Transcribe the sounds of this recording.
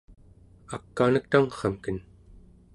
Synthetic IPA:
akːaːnək̚t̪aŋχɑmkən

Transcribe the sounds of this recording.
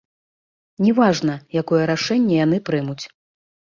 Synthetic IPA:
nʲɛvaʐnɐjakɔjɛɾaʂɛnʲːɛjanɨpɾɨmut͡sʲ

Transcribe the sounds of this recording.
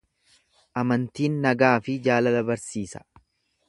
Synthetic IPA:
ʔɐmɐnt̪iːnːɐɡaːfɪd͡ʒaːlɐlɐbɐɾsiːsɐ̥

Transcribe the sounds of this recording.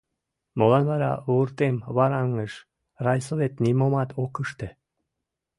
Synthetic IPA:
molɑnβɑɾɑ̰uɾt̪emβɑɾɑŋəʃ | rɑjsovet̪nimomɑt̪ʰokəʃt̪e

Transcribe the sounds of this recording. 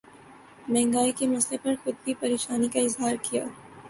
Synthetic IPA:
mɛ̃ːŋɡaːikemɐslepɐɾxʊd̪̚bʱipɐɾeːʃaːnikaɪzɦaːɾkijaː

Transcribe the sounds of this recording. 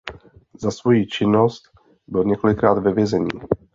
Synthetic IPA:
zasvo̞jiːt͡ʃɪno̞st̪ | bɪlɲɛko̞lɪkɾaːd̪vɛvjɛzɛɲḭː

